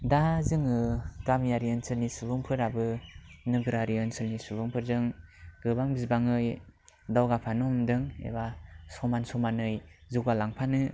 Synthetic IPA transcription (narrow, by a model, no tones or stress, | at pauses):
dazɯŋɯɡ̥amjaɾiɯnsɯlnisubɯŋpʰɯɾabɯnɯɡɯɾaɾiɯnsɯlnisubɯŋpʰɯɾzɯŋɡɯbaŋbizbaŋɯj | dawɡapʰanɔmdɯŋḛbasɔmansɔmanɯjzuɡalaŋpʰanɯ